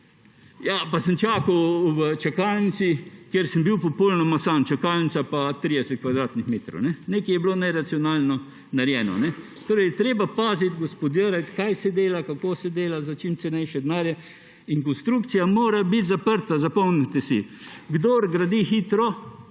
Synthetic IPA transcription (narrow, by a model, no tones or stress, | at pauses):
japasənt͡ʃaːkawʋət͡ʃakaːlnisikjeɾsəmbiwpɔpolnamasant͡ʃakalnit͡ssapat̪ɾiːd̪ɛsɛt̪̚kʋad̪ɾaːt̪nixmeːt̪ɾo̰wnɛneːkɛjɛblonɛɾat̪siɔnaːlnɔ | naɾjɛːnɔ̰nɛ | t̪oːɾɛjt̪ɾeːbapaːzit̪ɡospod̪jəɾat̪kajsɛd̪eːlakakoːsɛd̪eːlazat͡ʃimt̪sɛnɛjʃɛd̪naːɾjɛ | iŋkɔnst̪ɾukt̪sijamoːɾabit̪zapəɾt̪azapɔwnit̪ɛsḭɡd̪oːɾɡɾad̪ixit̪ɾɔ